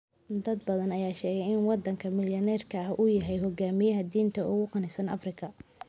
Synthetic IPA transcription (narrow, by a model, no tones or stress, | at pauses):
d̪ɐd̪bɐðɐnɐjaːʃɛːɣɛjɪnwɑd̪ɐŋkʰɐmɪljɐnɛːrkʰɐɐɦʔʊjɐɦɛjɦɔɡaːmɪjɐɦɐd̪iːnt̪ʰɐʔʊɣʊqɑnɪsɐnɐ̰frɪkʰɐ